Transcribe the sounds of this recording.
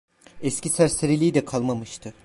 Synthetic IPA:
ɛscʲisæɾseɾelʲiːd̪ɛkʰalˠmamɯʃt̪ʰɯ

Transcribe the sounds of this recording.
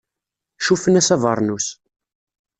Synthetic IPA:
ʃufənæsævəɾˤnus

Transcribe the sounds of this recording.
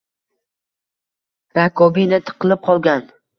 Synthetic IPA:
ɾakʰɒbinɪt̪ʰɨ̥qʰɨlˠɪp̚qʰɒlˠɡʲan

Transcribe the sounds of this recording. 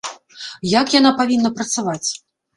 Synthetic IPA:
jakjanapavʲinːɐpɾɐt̪savat͡sʲ

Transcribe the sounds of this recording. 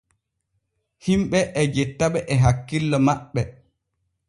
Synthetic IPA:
himɓɛʔɛd͡ʒɛtːaɓɛʔɛɦakːilːɔmaɓːɛ

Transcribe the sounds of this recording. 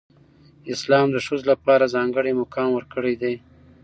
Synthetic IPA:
ɪslɑmd̪əʂuzlapɑɾazɑŋɡəɽemʊkɑnwəɾkəɽed̪e

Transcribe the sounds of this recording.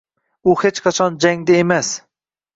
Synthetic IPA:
uhet͡ʃqʰɑt͡ʃʰɑnd͡ʒɛŋd̪ɛemɛs

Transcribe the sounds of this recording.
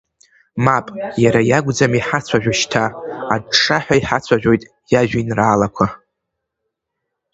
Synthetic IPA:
mapʼjaɾajaɡʷd͡zamiħat͡sʷʰaʒᶣʷaʃtʰaːdʈ͡ʂʼaħʷᶣaiħat͡sʷʰaʒᶣo̞jtʼ | jaʒᶣinraːlakʷʰa

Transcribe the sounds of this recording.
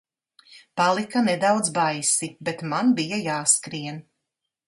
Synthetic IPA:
palˠikanɛd̪awd̪zbajsibet̪manbijajaːskɾiɛn

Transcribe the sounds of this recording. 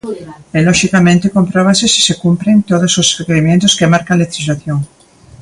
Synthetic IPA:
eloʃikamẽnt̪ekompɾoβasesi̥sekumpɾent̪oðososrekeɾimjẽnt̪oskemaɾkanlet̪ɾizlaθjoŋ

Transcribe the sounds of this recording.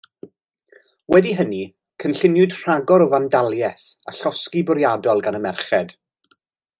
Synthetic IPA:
wɛdiɦəni | kʰənɬɪnjʊd̥r̥aɡɔɾɔvandalˠjɛθ | aɬɔskibʊɾjadɔlˠɡanəmɛrχɛd̥

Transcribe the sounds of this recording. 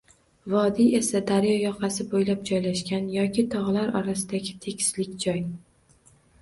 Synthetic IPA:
vɒd̪ie̞sad̪aɾjɒjɒqʰɑsɪbojlap̚d͡ʒɒjlaʃkʲanjɒkʲʰɪt̪ʰɒʁlaɾɒɾasɪd̪aɡʲɪt̪ʰe̞kʲʰɪ̥slɪkʲd͡ʒɒj

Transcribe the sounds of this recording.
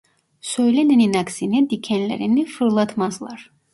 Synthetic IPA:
søjlænɛninaksinid̪icʰænlæ̰ɾinifɯɾlˠɑt̪ʰmɑzlˠɑɾ̥

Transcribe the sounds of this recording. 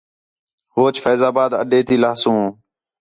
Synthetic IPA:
hoːt͡ʃfɛːzaːbaːd̪ə̰ɗeːt̪ʰiːlaːsũː

